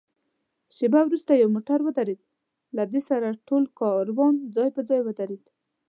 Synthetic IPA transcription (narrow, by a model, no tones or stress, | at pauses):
ʃebawɾust̪ajawmoʈaɾwəd̪aɾed̪̚ | lad̪esaɾaʈolkɑɾwɑnd͡zɑjpəd͡zɑjwəd̪aɾed̪̥